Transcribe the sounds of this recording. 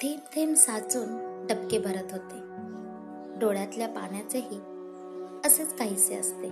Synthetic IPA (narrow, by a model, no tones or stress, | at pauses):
t̪ʰemt̪ʰemsat͡suːnɖəpkebʱəɾət̪ɦot̪e | ɖoɭjat̪ljapa̰ɳjat͡seɦiː | əset͡skaɦiːseə̰st̪e